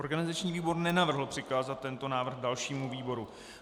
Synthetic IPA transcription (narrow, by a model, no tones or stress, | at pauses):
oɾɡanɪzat͡ʃɲiːviːbo̞ɾnɛnavr̩ɦl̩pr̝̥ɪkaːzat̪̚ːɛnt̪o̞naːvr̩ɣdalʃiːmuviːbo̞ɾu